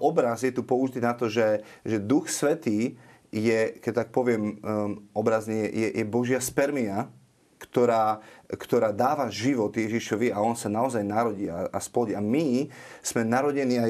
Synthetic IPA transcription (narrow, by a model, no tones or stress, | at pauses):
ɔbɾazjɛt̪upɔuʒit̪inat̪ɔʒɛʒɛd̪uxsʋɛt̪iː | jɛkɛct̪ak̚pɔʋɪɛmɔbɾazniɛjɛjɛbɔʒɪaspɛɾmia | kt̪ɔɾaːkt̪ɔɾaːd̪aːʋaʒiʋɔt̪jɛʒiʃɔʋiaɔnsanaɔzajnaɾɔɟiːa̰asplɔɟiamismɛnaɾɔɟɛniːa